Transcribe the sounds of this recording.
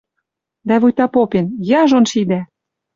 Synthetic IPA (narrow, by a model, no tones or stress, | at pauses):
d̪æβujt̪ɑpopenjɑʒonʃid̪æ